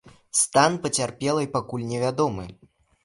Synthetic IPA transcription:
st̪anpɐt͡sʲarpʲɛlˠɐjpakulʲnʲɛvʲad̪ɔmɨ̰

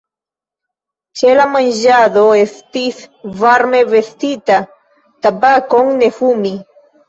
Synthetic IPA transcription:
t͡ʃelamanʒaðoest̪isvaɾmevest̪it̪a | t̪abakoŋnefumi

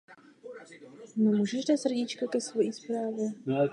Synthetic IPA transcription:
nomuʒɛdɛsr̩ɟit͡ʃkakɛsvojiːspɾaːvjɛ

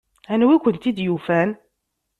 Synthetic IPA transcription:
ænwikʷənt̪id̪jufæn

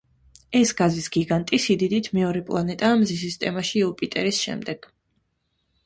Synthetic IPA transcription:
ɛsɡazisɡ̥iɡant̪ʼisid̪id̪it̪ʰmɛɔɾɛpʼlˠanɛt̪ʼaːmzis̬ist̪ʼɛmaʃiupʼit̪ʼɛ̰ɾisʃɛ̰md̪ɛɡ̥

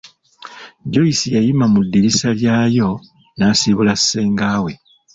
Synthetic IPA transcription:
ɟo̞jisijajimamudːiɾisaljaːjo̞ | naːsiβulasːe̞ːŋɡaːwe̞

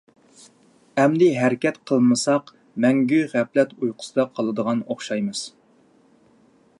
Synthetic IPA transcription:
ɛmd̪ɪɦæɾɪkʲɛt̪qʰəlˠmɨsɑq | mɛŋɡʲyjʁɛplɛt̪ujqʰʊ̥sɨd̪ɑqʰɑlˠɨd̪əʁɑnoχʃɑjmɨz̥

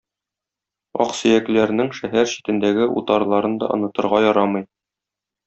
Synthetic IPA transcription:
ɒ̰qsɘ̆jæklæɾnɘŋʃæɦæɾɕi̥t̪ɘ̆nd̪æɡɘʔṵt̪ɑɾlˠɑɾɤnd̪ɒ̰ʔɤ̆nɤ̆t̪ɤ̆ɾʁɑjɒɾɑmɤj

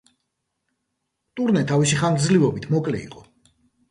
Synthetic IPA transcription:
t̪ʼuɾnɛt̪ʰavisiχand̪zlivɔbit̪ʰmɔkʼlɛḭqʼɔ

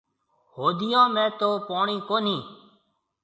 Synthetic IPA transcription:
hoːd̪ɪjãːmɛ̃ːt̪oːpaːɳiːkoːnĩː

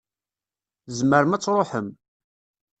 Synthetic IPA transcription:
zməɾəmæt͡sːɾˤoħəm

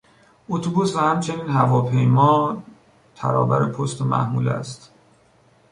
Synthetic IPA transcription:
ot̪ʰubuːsvæhæmt͡ʃʰe̞niːnɦævɒːpʰe̞jmɒː | t̪ʰæ̰ɾɒ̰ːbæɾepʰost̪omæ̰hmṵːlæ̰st̪

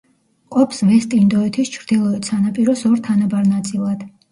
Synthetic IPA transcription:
kʼɔpʰsvɛst̪ʼind̪ɔɛt̪ʰist͡ʃʰɾd̪̥ilˠɔɛt̪sanapʼiɾɔsɔɾt̪ʰanabaɾnat̪sʼilˠad̪̥

